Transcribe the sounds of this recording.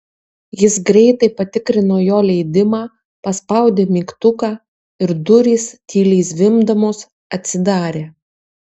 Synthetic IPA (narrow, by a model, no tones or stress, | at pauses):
jɪsɡɾʲɛɪt̪ɐɪpɐt̪ʲɪkɾʲɪnoːjoːlʲɛɪd̪ʲɪmɑː | pɐspɐˑʊd̪ʲeːmʲiːkt̪ʊkɑː | ɪɾd̪ʊɾʲiːst̪ʲiːlʲiːsʋʲɪmd̪ɐmoːs | ɐt̪ʲsʲɪd̪ɑːɾʲeː